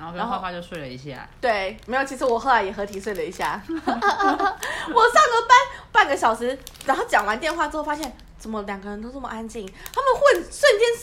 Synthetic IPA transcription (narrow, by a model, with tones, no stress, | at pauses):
o˥˧˩a˧˥nxoa˥˧wa˥˧t͡ɕjo˥˧ʊswe˥˩ɪlə˩ḭ˧˥ɕjɛ̰˥˩˨t̪we˥˩ɪmme˧˥jo˨˩ʊt͡ɕʰi˧˥ʂɻ̩˧˥wɔ˨˩xo˥˩ʊla˧˥ɪjɛ˨˩xɤ˧˥t̪ʰi˨˥ʂwe˥˩ɪlə˩i˧˥ɕja̰˥˩ | wɔ˨˩sɑ˥˩ŋɡə˨˩pa˥npa˥˩nɡə˨˩ɕjɑ˨˩ʊʂɻ̩˧˥ɻa˧˥nŋxo˥˩t͡ɕjɑ˨˩ŋwa˧˦nt̪jnxwa˥˧ʈ͡ʂɻ̩˥˧xfa˥ɕjɛ˥˩n | t͡sə˨˩nmə˦ljɑ˨˩ŋɡə˦ɻə˧˥nt̪o˥ʊnə˥˩mə̰˨˩ʔa˥nt͡ɕi˥˩ŋt̪ʰa˥mə˨nxwə˥˩nʂwə˥˨nt͡ɕjɛ˥n